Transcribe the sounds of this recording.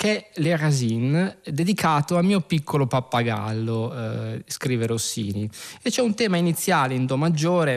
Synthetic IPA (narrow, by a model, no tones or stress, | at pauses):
kɛlerazind̪ed̪ikʰaːt̪oamiːopikːolopapːaɡa̰lːo | skɾiːveɾosḭːniet͡ʃːɛunt̪ɛːmainit̪sːjaːleind̪ɔmad͡ʒːoːɾe